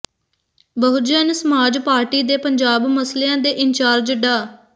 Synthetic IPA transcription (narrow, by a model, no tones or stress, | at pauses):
bəɦʊd͡ʒɛnsəmaːd͡ʒpaːɾʈiːd̪eːpəɲd͡ʒaːbməsleãːd̪eːʔɪnt͡ʃaːɾd͡ʒəɖaː